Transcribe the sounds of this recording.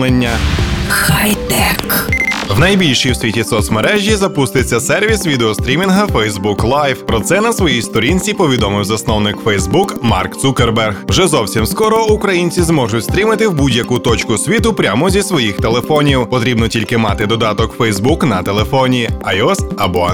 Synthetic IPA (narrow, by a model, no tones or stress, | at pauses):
lenʲːɐxajt̪ɛkwnɐjbʲilʲʃiwsʲʋʲitʲisɔsmeɾɛʒʲizɐpust̪ɪt͡sʲːɐsɛrʋʲisʋʲid̪eɔst̪ɾʲimʲinɦɐfɛjzbuklˠajfpɾɔt̪sɛnɐsʋɔjist̪ɔɾʲinʲt͡sʲipɔʋʲid̪ɔmɪwzɐsnɔwnɪkfɛjzbukmɑ̰rkt̪sukerbɛrɣwʒɛzɔwsʲimskɔɾɔukɾɐjinʲt͡sʲizmɔʒʊtʲst̪ɾʲimɪt̪ɪwbudʲjɐkut̪ɔt͡ʃkʊsʲʋʲit̪ʊpɾʲamɔzʲisʋɔjixt̪elˠefɔnʲiwpɔt̪ɾʲibnɔtʲilʲkɪmɑt̪ɪd̪ɔd̪ɑt̪ɔkfɛjzbuknɐt̪elˠefɔnʲiɐjɔst̪ɐbɔ